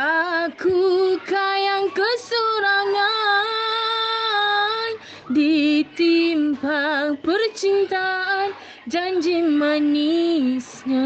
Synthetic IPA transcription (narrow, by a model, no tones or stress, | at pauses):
ʔakukajaŋkəsuɾaŋa | n | dit̪imbaŋpərt͡ʃint̪aʔan | d͡ʒaɲd͡ʒimənisɲa